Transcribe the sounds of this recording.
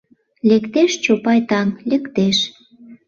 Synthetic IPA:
lekt̪eʃt͡ɕopɑjt̪ɑnlekt̪eʃ

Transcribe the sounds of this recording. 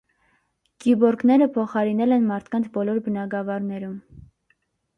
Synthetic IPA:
ɡ̥ibɔɾkʰnɛɾəpʰɔχɑɾinɛlɛnmɑɾt̪ʰkɑnt͡sʰbɔlɔɾbənɑɡɑvɑɾnɛɾum

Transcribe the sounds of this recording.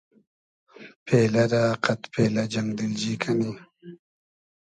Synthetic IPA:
pʰelaɾaːqat̪pʰelad͡ʒaŋd̪ɪld͡ʒikʰani

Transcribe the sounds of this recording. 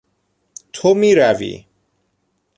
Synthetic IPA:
t̪ʰomiːɾævḭː

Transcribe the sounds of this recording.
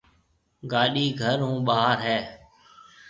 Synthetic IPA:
ɡaːɗiːɡʱəɾɦũːɓaːɦəɾɦɛː

